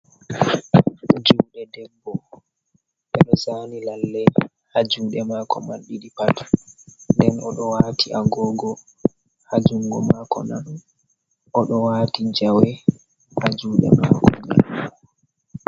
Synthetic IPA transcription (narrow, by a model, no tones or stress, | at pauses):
d͡ʒuwɗɛdɛmbɔ | ɓɛɗɔsaːnilalːɛ | had͡ʒuːɗɛmaːkɔmanɗiɗipat | ndɛnɔɗɔwatʰiʔaɡɔɡɔ | had͡ʒuŋɡɔmakɔ̰na | ʔɔɗɔwaːtid͡ʒawɛ | had͡ʒuːɗɛ̰ma̰kʰɔd͡ʒɛ̰mɔ